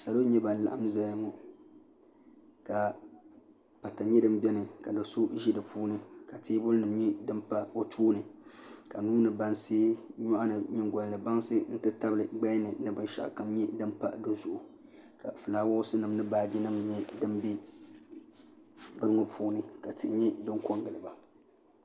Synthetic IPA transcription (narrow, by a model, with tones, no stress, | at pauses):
sa˨lo˦ɲɛ˦ba˨n˨la̰˨ʔa˦mza˦jŋɔ˨ | ka˨ | pa˨ta˨ɲɛ˦dɨ˨m˦bɛ˦nɨ˨ka˨dɨ˨so˦ʒi˦dɨ˨pʰuː˦nɨ˦ka˨teː˦bʊ˦lnɨ˨m˦ɲɛ˦dɨ˦mpa˦wo˦tʰuː˦nɨ˨ka˨nuː˦nɨ˨ba˦nseː˦ɲɔ˦ʔa˦nɨ˨ɲɪ˦ŋɡɔ˨n˨lɨ˨ba˦ŋsɨ˦n̩˦tɨ˦ta˦bɨ˨lɨ˨ɡ͡ba˦nɨ˨nɨ˦bɨ˨nʃa̰˨ʔka˨mɲɛ˦dɨ˦mpa̰˦do˦zʊ˨ʔʊ˨ka̰˨fɨ˨laː˨˦wo˦sɨ˦nɨ˨m˦nɨ˦baː˦d͡ʒi˦nɨ˦m˦ɲɛ˦dɨ˦mbi˦ | bɨ˦ɾɨ˦ŋo˨pʰuː˦nɨ˦ka˨ti˨˦ɲɛ˦dɨ˦ŋkɔ˦ŋɡɨ˨lɨ˨ba˨